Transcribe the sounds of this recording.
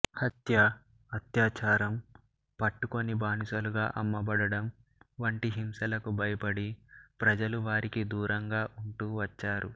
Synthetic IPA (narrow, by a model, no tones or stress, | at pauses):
hɐt̪jɐ | ɐt̪jaːt͡ʃaːɾɐm | pɐʈːuko̞nibaːnisɐluɡaːʔɐmːɐbɐɽɐɽɐm | ʋɐɳʈiɦimsɐlɐkubɐjɐpɐɽipɾɐd͡ʒɐluʋaːɾikid̪uːɾɐŋɡaːʔuɳʈuːʋɐt͡ʃːaːɾu